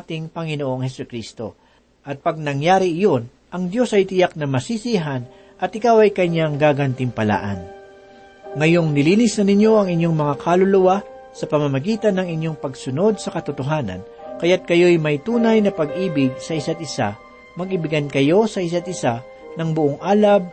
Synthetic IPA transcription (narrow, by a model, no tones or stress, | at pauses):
ʔat̪ɪŋpɐŋɪnoʔoŋhɛsʊkɾist̪o̞̰ | ʔɐt̪̚pɐɡ̚nɐŋjaːɾɪɪjo̞n | ʔɐŋd̪jo̞sɐjt̪ɪjak̚nɐmɐsisiɦɐn | ʔɐt̪̚ʔɪkawɐjkɐɲːaŋɡaɡɐnt̪ɪmpɐla̰ːʔɐ̰n | ŋɐjo̞ŋnɪliːnɪsnɐnɪɲjo̞ʔɐŋɪɲjo̞ŋmɐŋakalʊlʊwa | sɐpɐmɐmɐɡiːt̪ɐnːɐŋɪɲjo̞ŋpɐɡsʊno̞d̪̚sɐkɐt̪ʊt̪oɦaːnɐ̰n | kɐjat̪̚kɐjo̞jmɐjt̪uːnɐjnɐpɐɡʔiːbɪɡ̚sɐɪsat̪̚ɪsa̰ | mɐɡʔɪbɪɡɐnkɐjo̞sɐʔɪs̬at̪̚ɪsa | nɐŋbʊʔoŋʔaːlɐb̚